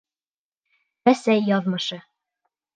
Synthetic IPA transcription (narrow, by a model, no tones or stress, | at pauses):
æsæjːɒðmɤ̆ʃɤ